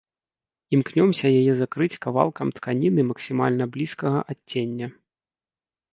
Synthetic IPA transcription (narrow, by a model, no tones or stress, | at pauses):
imknʲɔmsʲɐjajɛzakɾɨt͡sʲkava̰lˠkɐmt̪kʰanʲinɨmɐksʲima̰lʲnɐblʲiskɐɣɐʔatʲːenʲːɐ